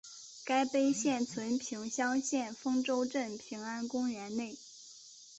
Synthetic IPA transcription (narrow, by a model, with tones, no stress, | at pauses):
ka˥ɪpe˥ɪɕjɛ˥˩nt͡sʰwə˧˥npʰi˧˥ŋɕjɑ˥ŋɕjɛ˥˩nfɤ˥ŋʈ͡ʂo˥ʊʈ͡ʂə˥˩npʰi˧˥ŋa˥nkʊ˥ŋɥɛ˧˥nne˥˩ɪ